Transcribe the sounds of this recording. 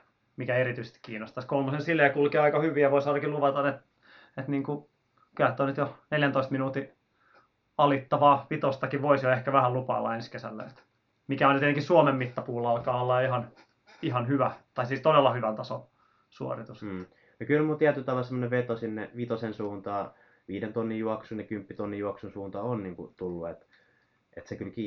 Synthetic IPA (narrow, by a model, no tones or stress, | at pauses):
mikæeɾit̪yise̥st̪kiːnːost̪ɑskolmosensilːejɑkulkeːɑikɑhyʋijɑʋoisɑːɾɑkiluʋɑt̪ɑnet̪ | et̪niːŋku | kæt̪ːˑoːnyt̪joneljænt̪oist̪minuːt̪i | ɑlit̪ːɑʋɑːʋit̪ost̪ɑkiʋʋoisjoehkæʋæhælupɑ̰ːlːɑ̰enskesæ̰lːæ̰ḛt̪ | mikæonjyt̪et̪ːekissuomemːit̪ːɑpuːlːɑlkɑːolːɑihɑn | ihɑnhyʋæt̪ɑisiːst̪odelːɑhyʋænt̪ɑson | suo̰rit̪use̥ | nokylmult̪iæt̪ylt̪ɑʋɑlsemːŏneʋʋet̪osinːeʋit̪osensuːnt̪ɑː | ʋiːdent̪onːijjuɑksunekympːit̪onːijuɑksunsuːnt̪ɑonniːŋkṵt̪ulːuet̪ | et̪sekylkiː